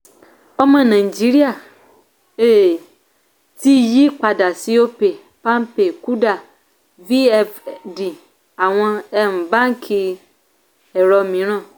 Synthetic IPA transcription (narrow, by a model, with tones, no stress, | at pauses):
ɔ˦mɛ̃˨nã˨i˨d͡ʒi˦ɾi˦a˨ | e˦ | t̪ʰi˦ji˦k͡pa˨da˨si˦wo˦pe˨ | pã˦mpe˨ku˦ɖa˨ | vi˦ɛ˦fdi˨ | a˨w̃ɔ̃˦ɛ˦m̩˨bã˦ŋ˦kʰi˨ | ɛ˨ɾɔ˨mĩ˨ɾ̃ɔ̃˦˨